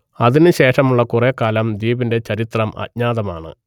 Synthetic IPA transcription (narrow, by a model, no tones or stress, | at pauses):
ɐðinɨɕe̞ːʂɐmuɭːɐkurekaːlɐmd̪iːbinde̞t͡ɕɐɾit̪rɐmɐ̰tɲaːðɐma̰ːɳɨ̰